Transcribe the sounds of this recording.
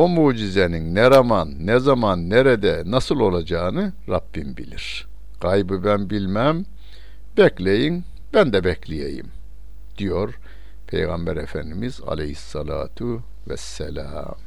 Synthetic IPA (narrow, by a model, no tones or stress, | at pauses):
omuːd͡ʒizeninnɛɾamanːɛzamanːeɾɛd̪ɛnasɯlˠo̞lˠad͡ʒaːɯnɯɾabːinbḭlʲiɾ̥ | ɡ̥ajbɯbænbilʲmæm | bɛclʲejin | bænd̪ɛbɛcʰlʲijḛjḭm | d̪̥ijo̞ɾ | pʰḛjɣɑmbæɾefænd̪imiza̰lʲehisːɑlˠa̰ːt̪ʰu | vɛ̰sːɛlʲa̰ːm